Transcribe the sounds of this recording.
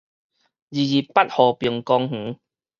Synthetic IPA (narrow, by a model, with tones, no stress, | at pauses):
zi˨˩zi˨˩pa˦t̚hɔː˨˩pi˨˩əŋkɔ˧ŋh̩˨˦